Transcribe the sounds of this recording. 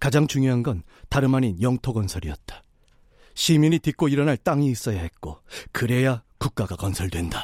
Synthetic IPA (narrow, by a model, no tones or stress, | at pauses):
kad͡ʑaŋt͡ɕuŋjoɦanɡʌntaɾɯmaninjʌŋtʰoɡʌnsʰʌɾiʌt̚t͈ḁ | ɕʰiminitik͈oiɾʌnaɭt͈aŋiːs͈ʌjaɦe̞t̚k͈okɯɾe̞jakuk̚k͈aɡakʌnsʰʌɭdwe̞nda